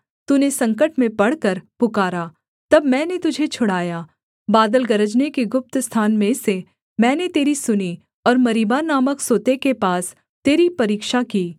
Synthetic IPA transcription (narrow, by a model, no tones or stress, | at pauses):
t̪unesɐ̃ŋkəʈmẽpɐɽkəɾpʊkaːɾaː | t̪ɐbmɛ̃ːnet̪ʊd͡ʒʱet͡ʃʰʊɽaːjaː | baːd̪əlɡɐɾəd͡ʒnekeɡʊp̚t̪st̪ʰaːnmẽse | mɛ̃ːnet̪eːɾisʊni | ɔːɾmɐɾiːbanaːməksoːt̪ekepaːs | t̪eːɾipɐɾiːkʃakiː